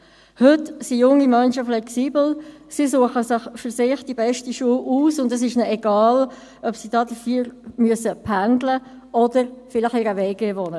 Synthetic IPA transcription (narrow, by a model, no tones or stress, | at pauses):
hʏtsijʊŋːimœnʃəflɛksiːbl̩sisuəχəsɪχfyɾsɪχd̥ibɛʃtiʃuəʔuːsʊndəs̬ɪʃnɛɛɡ̥ɑːl | œpsid̥ɑːdəfyːɾmyəsəpʰændlə | ʔɔd̥əɾfɪlɪχɪɾəvɛːɡeːvɔnə